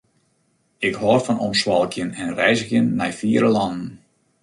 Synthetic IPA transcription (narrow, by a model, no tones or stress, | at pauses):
ɪkhɔːrfɔnɔmswɔlˠkʰjənɛnrɛjzəxjənːɛjfiːəɾəlɑndn̩